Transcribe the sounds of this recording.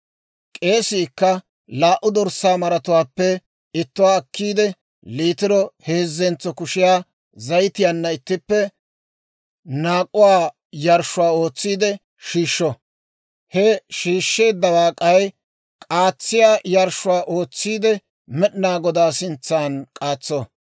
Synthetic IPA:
kʼe̞ːsiːkːɐ | laːʔʊd̪ɔɾsaːmɐɾɐt̪ʊwaːpːɛ | ɪt̪ːʊwaːkːiːd̪ɛ | liːt̪ɪɾɔheːzːɛnt͡sːɔkʊʃɪjaː | zɐjt̪ɪjanːɐɪt̪ːɪpːɛ | naːkʼːʊwaː | jɐɾʃʊwaːo̞ːt͡sːiːd̪ɛ | ʃiːʃːɔ | hɛʃiːʃːe̞ːd̪ːɐwaːkʼɐj | kʼaːt͡sːɪjaːjɐɾʃʊwaːʔo̞ːt͡sːiːd̪ɛ | mɛɗɪnaːɡɔd̪aːsɪnt͡sːaːnkʼaːt͡sːɔ

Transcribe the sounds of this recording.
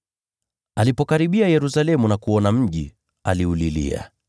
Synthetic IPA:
alipɔkaɾiɓiajɛɾusalɛmunakuɔnam̩ʄi | aliulilḭa̰

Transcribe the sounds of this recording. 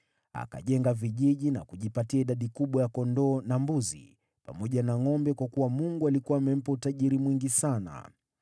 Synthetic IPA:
a̰ka̰ʄɛŋɡaviʄiʄina̰kuʄipatiaiɗaɗikuɓwajakɔndɔːnambuzḭ | pa̰mɔʄanaŋɔmbɛkwakuwamuŋɡualikuaːmɛm̩pautaʄiɾimwiŋɡisana̰

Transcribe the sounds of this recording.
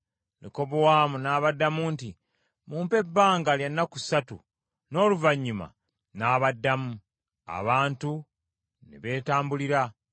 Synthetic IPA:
niko̞βowaːmunaːβadːamunti | muːmpe̞bːaːŋɡaljanːakusatṵ | no̞ːluvaɲːuma̰ | naːβadːamu | a̰βaːntu | nḛβe̞ːtaːmbuliɾa

